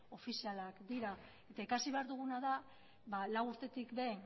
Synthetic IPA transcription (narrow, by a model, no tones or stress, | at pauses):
o̞fisialakd̪iɾa | e̞t̪aekasiβe̞aɾðuɣ̞unaða | βalawuɾt̪e̞t̪ikbe̞n